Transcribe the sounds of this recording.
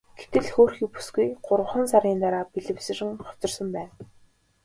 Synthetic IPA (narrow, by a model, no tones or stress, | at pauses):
ɡ̥et̪ɘ̆ɮxoːrxiːpu̥sɡujɢʊɾʁə̆χə̆nsaɾʲiːnt̪aɾaːpiɮɘ̆wsɘ̆rɘ̆ŋχɔ̥t͡sɞ̆rsə̆mpæːn